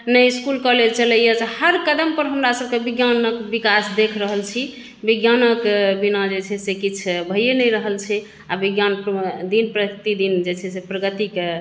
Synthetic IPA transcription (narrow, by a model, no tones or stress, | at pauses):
nəjskulkəlelt͡ʃələjət͡ʃhəɾkəd̪əmpəɾɦəmɾasəb̚kebiɡjanəkbikasd̪ekʰɾəɦəlt͡ʃʰi | biɡjanəkbinad͡ʒet͡ʃʰɛsekit͡ʃʰbʱəjenəjɾəɦəlt͡ʃʰɛ | abiɡjanpd̪inpɾət̪id̪ind͡ʒet͡ʃʰɛsepɾəɡət̪ike